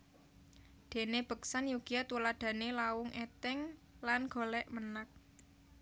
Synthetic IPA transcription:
d̪̥e̤neb̥ə̤ksanjuɡ̥iat̪ulad̪̥a̤nelawʊŋʔɛt̪ɛŋ | lanɡ̥o̤lɛʔmənak̚

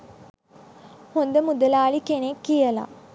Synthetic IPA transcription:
hund̪əmud̪əlaːɭikenekːijəla̰

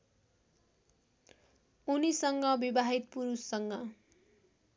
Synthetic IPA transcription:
unisʌŋɡʌbibaɦit̪̚puɾusːʌŋɡʌ

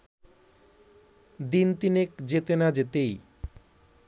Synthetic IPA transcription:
d̪int̪inekd͡ʑet̪enad͡ʑet̪ej

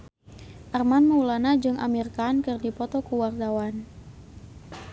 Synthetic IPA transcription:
ʔarmanməulanad͡ʒɨŋʔa̰mirkankɨrdipɔt̪ɔkuward̪awan

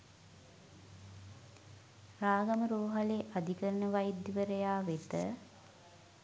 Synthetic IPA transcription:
raːɡaməɾoːɦaleʔad̪ʱikəɾənəʋajd̪ːiʋəɾəjaːʋet̪ə̰

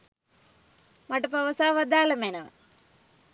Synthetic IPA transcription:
mɐʈɐpɐʋɐsaːʋɐd̪aːlɐmejnɐ

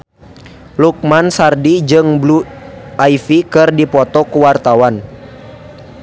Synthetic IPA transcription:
luk̚mansardid͡ʒɨŋbluaifikɨrdipɔt̪ɔkuwart̪awan

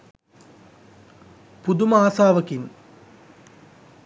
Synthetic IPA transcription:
pud̪umɐaːsaːʋəkin

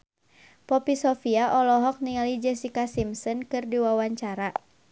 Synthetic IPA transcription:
pɔpisɔfiaʔɔlɔɦɔk̚niŋalid͡ʒɛsikasimsɔnkɨrdiwawaɲt͡ʃaɾa

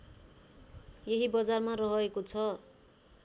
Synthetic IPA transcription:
jeɦibʌd͡zarmarʌɦʌekot͡sʰʌ

